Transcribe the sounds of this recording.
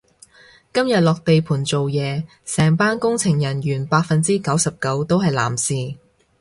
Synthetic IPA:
kɐ˥mjɐ˨t̚lɔː˨k̚t̪e˨jpʰuː˨˩nt͡so˨wjɛː˨˧ | sɛː˨˩ŋpaː˥nkʊ˥ŋt͡sʰɪ˨˩ŋjɐ˨˩njyː˨˩npaː˧k̚fɐ˨nt͡siː˥kɐ˨˥wsɐ˨p̚kɐ˨˥wt̪o˥whɐ˨jla̰ː˨˩msiː˨

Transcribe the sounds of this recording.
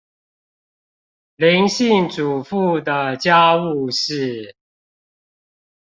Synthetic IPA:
li˧˦˥ŋɕi˥˩ŋʈ͡ʂu˨˩fu˥˩d̪ə˨t͡ɕja˥u˥˧ʂɻ̩˥˩

